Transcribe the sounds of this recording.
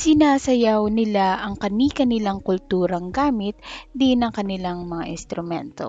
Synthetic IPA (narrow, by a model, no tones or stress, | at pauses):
sɪnaːsɐjawnɪlaʔɐŋkɐnikɐnɪlaŋkʊlt̪uːɾɐŋɡaːmɪt̪̚d̪ɪnɐŋkɐnɪlaŋmɐŋa̰ʔɪnst̪ɾʊmɛnt̪o̰